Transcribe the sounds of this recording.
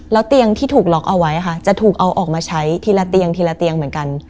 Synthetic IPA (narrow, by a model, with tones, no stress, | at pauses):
lɛː˦˥wt̪i˧əŋt̪ʰiː˥˩t̪ʰuː˨˩k̚lɔ˦˥k̚ʔa˧wa˦˥jʔa˨˩kʰa˥˩t͡ɕa˨˩t̪ʰuː˨˩k̚ʔa˧wʔɔː˨˩k̚maː˧t͡ɕʰa˦˥jt̪ʰiː˧laː˦˥t̪i˧əŋt̪ʰiː˧laː˦˧˥t̪i˧əŋmɯ˦ənka˧n